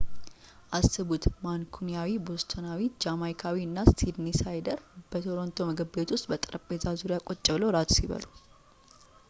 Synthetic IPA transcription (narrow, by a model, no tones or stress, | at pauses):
ʔasɨβut̪mankʰunijawibo̞st̪ʰonawid͡ʒamajkʰawiɨnːast̪ʰid̪nisajd̪əɾb̥ət̪ʰo̞ɾo̞nt̪ʰo̞məɡəbet̪wʊst̪ʼbət̪ʼɨɾəpʼezazuɾijakʼot͡ʃʼːɛβləwɾat̪ʰsiβə̰lu